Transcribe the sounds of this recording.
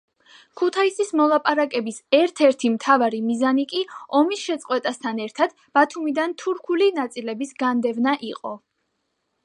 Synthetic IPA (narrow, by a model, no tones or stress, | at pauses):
kʰut̪ʰaisismɔlˠapʼaɾakʼɛbisɛɾt̪ʰɛɾt̪ʰimt̪ʰavaɾimizanikʼiɔmisʃɛt̪sʼqʼwɛt̪ʼast̪ʰanɛɾt̪ʰad̪̥ | b̥at̪ʰumid̪ant̪ʰuɾkʰulinat̪sʼilɛbisɡand̪ɛvnaʔiqʼɔ